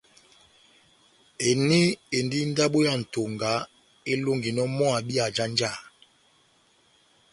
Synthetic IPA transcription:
e˨ne˦e˨ndi˦n̩˦da˦ɓo˦ja˦˨n̩˨to˨ŋɡa˨˦ | e˦lo˦ŋɡi˨nɔ˦mɔ˦a˨bi˦a˨d͡ʒa˦nd͡ʒa˦˨

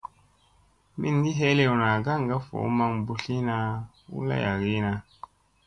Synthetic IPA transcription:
mi˦nɡi˦ɦe˦le˦wna˨ɡa˦˨ŋ˨ɡa˦fo̰˨˦ma˧mbu˦ɬi˦na˧ | ṵ˦la̰˦ja˨ɡi˦na˧

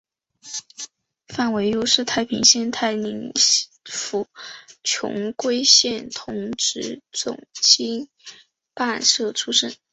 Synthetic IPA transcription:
fa˥˩nwe˧˥ɪjo˥ʊʂɻ̩˥˧t̪ʰa˥˩ɪpʰḭ˧˥ŋɕjɛ˥nt̪ʰa˥˩ɪli˧˥ŋ | fu˨˧˩t͡ɕʰjʊ̰˧˥ŋkwe˥ɪɕjɛ˥˩nt̪ʰʊ˧˥ŋʈ͡ʂɻ̩˧˥t͡sʊ̰˨˩ŋt͡ɕi˥ŋ | pa˥˧nʂɤ˥˩ʈ͡ʂʰu˥ʂə˥˩n

